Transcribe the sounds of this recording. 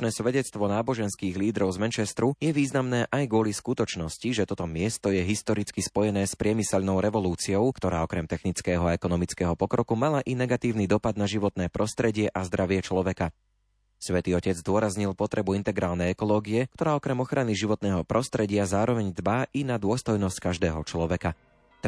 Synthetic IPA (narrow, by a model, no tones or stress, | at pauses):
nɛːsʋɛɟɛt͡st̪ʋɔnaːbɔʒɛnskiːɣliːd̪ɾɔʊzmɛnt͡ʃɛst̪ɾujɛʋiːznamnɛːʔajɡʊɔliskut̪ɔt͡ʃnɔsciʒɛt̪ɔt̪ɔmɪɛst̪ɔjɛɦist̪ɔɾit͡skispɔjɛnɛːspɾɪɛmisɛʎnɔʊɾɛʋɔluːt͡siɔʊkt̪ɔɾaːɔkɾɛmt̪ɛxnit͡skɛːɦɔaɛkɔnɔmit͡skɛːɦɔpɔkɾɔkumalaʔinɛɡat̪iːʊnid̪ɔpad̪naʒiʋɔt̪nɛːpɾʔɔst̪ɾɛɟɪɛʔazd̪ɾʔaʋɪɛt͡ʃlɔʋɛka | sʋɛt̪iːɔcɛd͡zd̪ʊɔɾazɲilpɔt̪ɾɛbuint̪ɛɡɾaːlnɛjɛkɔlɔːɡiɛkt̪ɔɾaːɔkɾɛmɔxɾaniʒiʋɔt̪nɛːɦɔpɾɔst̪ɾɛɟɪazaːɾɔʋɛɲzbaʔinad̪ʊɔst̪ɔjnɔsckaʒd̪ɛːɦɔt͡ʃlɔʋɛka